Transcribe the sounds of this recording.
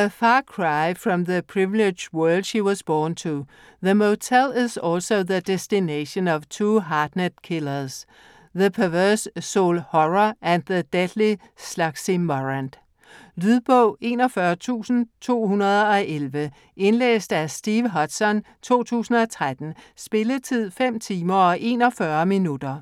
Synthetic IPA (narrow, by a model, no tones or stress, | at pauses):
əfɑːkʰɹɑ̈ɪfɹɒmðəpʰɹiʋle̥d͡ʒwɜːlˠd̥ʃiwɒzb̥ɔːnt͡sʰu | ðəmot͡sʰelɪzɔlsoʊðəd̥esd̥ineɕənɒʋt͡sʰuːɦɑːd̥næd̥̚kʰelɐs | ðəpʰæʋɜsːoʊlhɒʁɐʔæ̃nd̚ðəd̥ed̥li | slɑ̈ɡ̥simɒʁænd̥ | lyðˠb̥ɔʊ̰e̝ːnɒfɶɐt͡sʰṵːsn̩t͡sʰo̝̰ːhunɐð̞ˠɒ̽ʔelʋə | e̝nlḛːsd̥æsd̥iːʋɦɒ̽d̥sɒ̽n | t͡sʰo̝̰ːt͡sʰṵːsn̩ɒ̽t͡sʰʁad̥n̩sb̥e̝lət͡sʰið̞̰ˠfem̰t͡sʰiːmɐɒ̽ʔe̝̰ːnɒ̽fɶɐminud̥ɐ